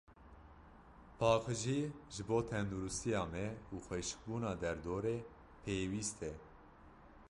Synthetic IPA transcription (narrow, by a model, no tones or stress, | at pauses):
pʰɑːxɨʒiʒɨboːt̪ʰɛnd̪uɾust̪ijɑːmɛuːxʷɛʃk̚buːnɑːd̪ɛɾd̪oːɾeː | pʰeːwiːst̪ʰɛ